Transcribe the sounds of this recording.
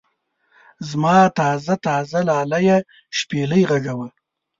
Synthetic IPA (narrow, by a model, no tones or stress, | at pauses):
zmɑːt̪ɑːzat̪ɑzalɑːlaje | ʃpeləjɣaɡawəl